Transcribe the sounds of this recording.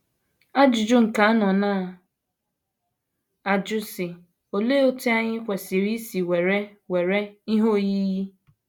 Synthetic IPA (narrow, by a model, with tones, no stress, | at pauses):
a˦d͡ʒʊ˨d͡ʒʊ˦ŋ̩˨ka˨a˦nɔ˨naː˦˨ | a˨d͡ʒʊ˦sɪ˨ | o˨le˦o˦ti˦a˦ɲɪ˦kʷe˨si˨ɾi˦si˨we˨ɾe˦we˨ɾe˦i˦ɦo˦ji˦ji˦